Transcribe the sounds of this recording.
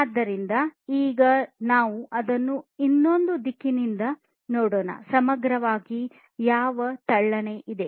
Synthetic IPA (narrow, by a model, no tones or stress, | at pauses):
aːd̪ːɐɾind̪ɐiːɡɐnaːʋuʔɐd̪ɐnːuinːo̞nd̪ud̪ikːinind̪ɐ | noːɽoːnɐ̰sɐmɐɡɾɐʋaːɡi | jaːʋɐt̪ɐɭːɐneʔid̪e̞